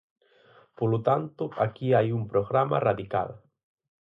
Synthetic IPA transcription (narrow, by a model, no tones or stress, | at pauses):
polot̪ant̪ʊakiajumpɾoɣɾama̰raðika̰l